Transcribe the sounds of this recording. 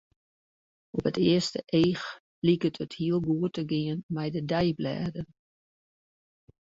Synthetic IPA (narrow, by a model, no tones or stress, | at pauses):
ɔpətɪəstəʔeːx | likətʰəthiəlˠɡuətəɡɪənmɛjdədɛjblɛ̰ːdən